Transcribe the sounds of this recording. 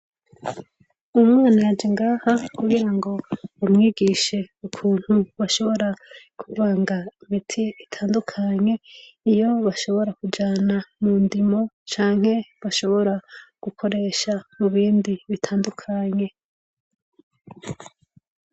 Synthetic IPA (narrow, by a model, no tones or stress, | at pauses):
umŋaːnajad͡ʒiŋɡaːhakuɡiɾaŋɡo̞umŋiːɡiʃe̞ukʰuːn̥huβaʃo̞βo̞ɾa | kʰuvaːŋɡaimitʰiitʰaːndukʰaɲe̞ijo̞βaʃo̞βo̞ɾakud͡ʒaːnamuːndimo̞t͡ʃaːŋ̥he̞βaʃo̞βo̞ɾaɡ̥ukʰo̞ɾe̞ːʃamuβiːndiβitʰaːndukʰaɲe̞